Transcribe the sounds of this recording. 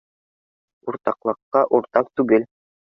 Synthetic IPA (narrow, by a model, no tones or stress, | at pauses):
uɾt̪ɑqlˠɤ̆qːɑʔuɾt̪ɑq̚t̪ʉɡɘl